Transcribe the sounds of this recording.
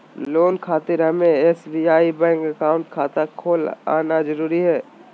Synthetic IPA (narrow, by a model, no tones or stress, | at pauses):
lloːnkʰaːt̪ɪɾɦɐmẽɛːsbiːaːibɛ̃ːŋkɐkaːʊ̃ɳʈkʰaːt̪akʰoːla̰ːnazəɾuːɾiɦɛː